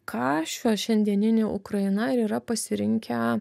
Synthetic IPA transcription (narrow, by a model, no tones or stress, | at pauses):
kʰɑːʃʲoːʃʲɛnʲd̪ʲiɛnʲɪnʲeːʔʊkɾɐɪnɐɪɾiːɾɐpɐsʲɪɾʲɪŋʲkʲɛ